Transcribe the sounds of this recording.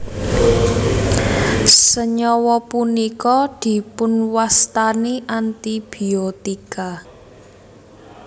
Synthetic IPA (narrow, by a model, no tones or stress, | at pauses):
səɲɔwɔpunikɔd̪̥i̤pʊnwast̪aniʔant̪ib̥i̤ot̪ika